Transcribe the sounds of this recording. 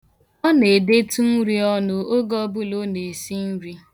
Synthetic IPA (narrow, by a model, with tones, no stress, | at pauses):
ɔ˦ne˨de˦tu˦n̩˦ɾi˦ɔ˦nʊ˦o˦ɡɔ˦bʊ˦lo˦ne˨si˦n̩˦ɾi˦